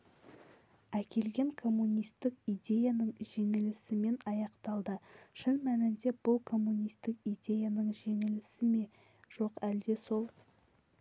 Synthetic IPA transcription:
ækʲʰe̞lɡʲe̞ŋkʰo̞mːunʲijst̪ɪkijd̪ʲe̞janəɴʒe̞ŋɪlɪsɪme̞nɑjɑqt̪ɑlˠd̪əʃɪnmænɪnd̪e̞b̥ʊlˠkʰo̞mːunʲijst̪ɪkijd̪ʲe̞janəɴʒe̞ŋɪlɪsɪme̞ | ʒ̥o̞qæld̪e̞so̞lˠ

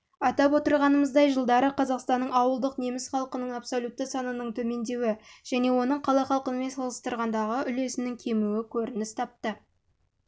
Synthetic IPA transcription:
ɑt̪ɑpwo̞t̪əɾʁɑnəməzd̪ɑjʒəlˠd̪ɑɾəqʰɑzɑqst̪ɑnːəɴɑwəlˠd̪əqne̞mɪsχɑlˠqənəɴɑpsolʲut̪ːəsɑnənəɴt̪ʰɵme̞nd̪e̞wɪʒ̥æne̞wo̞nəɴqʰɑlˠɑjχɑlˠqənəme̞nsɑlˠəst̪əɾʁɑnd̪ɑʁəʔʏle̞sɪnɪŋkʲʰe̞muwɪkʲʰɵɾɪnɪst̪ʰɑp̚t̪ə

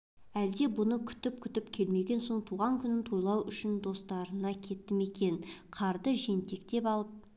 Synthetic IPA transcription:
æld̪e̞bʊnəkʲʰʏ̥t̪ɪp̚kʲʰʏt̪ɪpkʲʰe̞lme̞ɡʲe̞nso̞ɴt̪ʰuʁɑŋkʲʰʏnɪnt̪ʰo̞jlˠɑwʔʏʃɪnd̪o̞st̪ɑɾənɑkʲʰe̞t̪ːɪme̞kʲe̞nqʰɑɾd̪əʒe̞nt̪e̞kt̪e̞pɑlˠəp̚

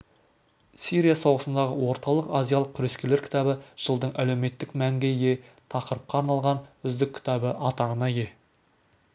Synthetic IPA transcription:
siɾijasowʁəsənd̪ɑʁəwo̞ɾt̪ɑlˠəqazʲjalˠəq̚kʲʰʏɾeskʲele̞ɾkʲʰt̪ɑbəʒ̥əlˠd̪əɴʔæle̞wme̞t̪ːɪkmæŋɡʲeje̞t̪ʰɑqəɾəp̚qɑːɾnɑlˠʁɑnʏzd̪ɪkʲʰːɪ̥t̪ɑbəʔɑt̪ɑʁənɑje̞

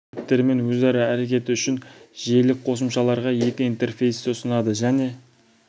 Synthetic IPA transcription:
pt̪ːe̞ɾme̞nwɵzæɾɪæɾe̞kʲe̞t̪ɪʏʃɪnʒe̞lɪk̚qʰo̞s̬əmʃɑlˠɑɾʁɑje̞kʲɪint̪e̞rfe̞jst̪ɪsənɑd̪əʒæne̞

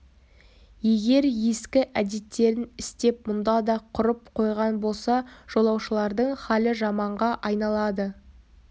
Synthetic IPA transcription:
je̞ɡʲe̞ɾje̞skʲɪʔæd̪e̞t̪ːe̞ɾɪnɪst̪e̞p̚mʊnd̪ɑd̪ɑqʰʊɾəpqʰo̞jʁɑnbo̞lˠsɑʒ̥o̞lˠɑwʃəlˠɑɾd̪əɴχɑlɪʒɑmɑɴʁɑʔɑjnɑlˠɑd̪ə

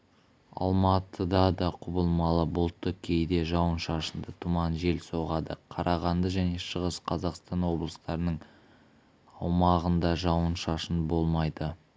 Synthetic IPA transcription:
ɑ̰lˠmɑt̪ʰəd̪ɑd̪ɑqʰʊbəlˠmɑlˠəbʊlˠt̪ːəkʲʰe̞jd̪e̞ʒɑwənʃɑʃənd̪ət̪ʰʊmɑnʒe̞lso̞ʁɑd̪ə̰qʰɑɾʔɑʁɑnd̪əʒæne̞ʃəʁəsqʰɑzɑqst̪ɑnwo̞blˠəst̪ɑɾənəɴ | ɑwmɑʁənd̪ɑʒɑwənʃɑʃənbo̞lˠmɑjd̪ə

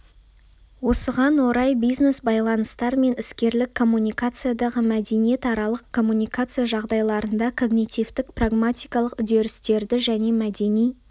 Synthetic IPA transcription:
wo̞səʁɑnwo̞ɾɑjbijzne̞sbɑjlˠɑnəst̪ɑɾme̞nɪskʲe̞ɾlɪkʰːo̞mːunʲijkat̪sɨjad̪ɑʁəmæd̪e̞nije̞t̪ɑɾɑlˠəqkʰːo̞mːunʲijkat̪sɨjaʒɑʁd̪ɑjlˠɑɾənd̪ɑkʰo̞ɡnʲit̪ʲijvt̪ɪkpraɡmat̪ijkɑlˠəqʏd̪e̞ɾɪst̪e̞ɾd̪ɪʒæne̞mæd̪e̞nij

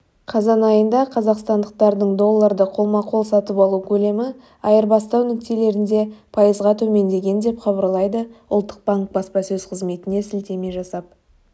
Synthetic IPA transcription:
qʰɑzɑnɑjənd̪ɑqʰɑzɑqst̪ɑnd̪əq̚t̪ɑɾd̪əɴd̪o̞lˠːɑɾd̪əqʰo̞lˠmɑqʰo̞lˠsɑt̪əpɑlˠukʲʰɵle̞mɪ | ɑjəɾbɑst̪ɑwnʏkt̪e̞le̞ɾɪnd̪e̞pʰɑjəzʁɑt̪ʰɵme̞nd̪e̞ɡʲe̞nd̪e̞pqʰɑbəɾlˠɑjd̪əʊ̰lˠt̪ːə̥q̚baŋk̚bɑspɑsɵzqʰəzme̞t̪ɪne̞sɪlt̪e̞me̞ʒɑsɑp̚

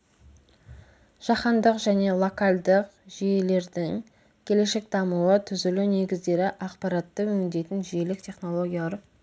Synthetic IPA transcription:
ʒ̥ɑqɑnd̪əqʒæne̞lˠo̞kɑlˠd̪əqʒije̞le̞ɾd̪ɪŋ | kʲʰe̞le̞ʃe̞k̚d̪ɑmuwət̪ʰʏzɪlune̞ɡʲɪzd̪e̞ɾɪʔɑqpɑɾɑt̪ːəwɵŋɪnd̪e̞jt̪ɪnʒije̞lɪk̚t̪ʲʰe̞χno̞lˠo̞ɡʲijaɾ

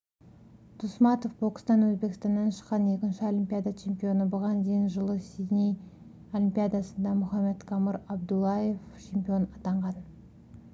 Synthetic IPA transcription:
t̪ʰusmɑt̪ofbokst̪ɑnwɵzbe̞kʲɪst̪ɑnːɑnʃə̥qːɑne̞kʲɪnʃɪo̞lʲimpʲijad̪at͡ʃʰe̞mpijo̞nəbʊʁɑnd̪ejɪnʒəlˠəsinʲij | o̞lʲimpʲijad̪ɑsənd̪ɑmʊχɑme̞t̪kʰɑməɾɑbd̪ulˠːɑje̞ft͡ʃʰe̞mpijo̞nɑt̪ɑɴʁɑn

